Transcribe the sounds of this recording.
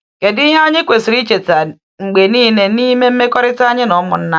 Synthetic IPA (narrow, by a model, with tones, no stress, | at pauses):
ke˨di˦ɦe˦o˦ɲɪ˦kʷe˨si˨ɾi˦t͡ʃe˨ta˨ | ŋ͡m̩˨ɡ͡be˨niː˦ne˨ni˦me˦m̩˦me˦kɔ˦ɾɪ˦ta˦ɲɪ˦nɔ˨˦mʊ̰˨n̩˦na˦